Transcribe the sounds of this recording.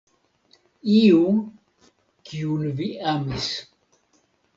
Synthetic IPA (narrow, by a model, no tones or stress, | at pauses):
iuŋ | kiunviʔamis